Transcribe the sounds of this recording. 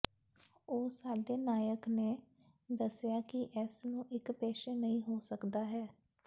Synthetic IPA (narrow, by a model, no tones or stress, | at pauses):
oːsaːɖeːnaːjəkneː | d̪əsɪjaːkɪʔɛːsnũːʔɪkpɛːʃɛːnəĩːɦoːsəkd̪aːɦɛː